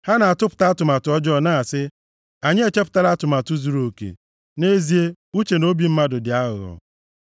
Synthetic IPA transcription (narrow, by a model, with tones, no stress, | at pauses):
ha˦na˨a˨tʊ˦pʊ̥˨ta˦a˦tʊ˨ma˨tʊ˨ɔ˦d͡ʒɔ˦na˦a˨sɪ˦ | a˨ɲɪ˦e˦t͡ʃe˦pʊ̥˨ta˦la˦tʊ˨ma˨tʊ˦zu˨ɾo˨kḛ˨ | ne˦zi˦e˦ | u˦t͡ʃe˨no˦bi˨m̩˦ma˦dʊ˨dɪ˨a˦ɦʊ˨ɣɔ̰˨